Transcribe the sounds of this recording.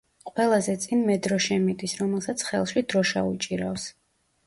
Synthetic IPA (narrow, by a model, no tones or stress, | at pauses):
qʼwɛlˠazɛt̪sʼinmɛd̪ɾɔʃɛmid̪ʼisɾɔmɛlˠsat̪sʰχɛlˠʃid̪ɾɔʃa̰ut͡ʃʼiɾafs